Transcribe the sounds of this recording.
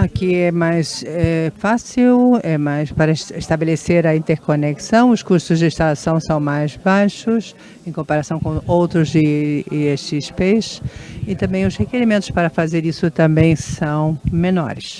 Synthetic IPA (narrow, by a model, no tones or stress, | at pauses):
akiɛmajsɛfasiwɛmajspaɾɐɪʃt̪abeleseɾɐĩnt̪eɾkoneksɐ̃w̃ʊskuɾt̪ʊzd͡ʒɪĩʃt̪alasɐ̃w̃sɐ̃w̃majzbajʃʊs | ẽj̃kõmpaɾasɐ̃w̃kõwowt̪ɾʊzɪest͡ʃɪspesɪt̪ɐ̃mbẽj̃ʊzhekeɾimẽt̪ʊ̥spaɾɐfazeɾisʊt̪ɐ̃mbẽj̃sɐ̃w̃mẽnɔ̰ɾɪs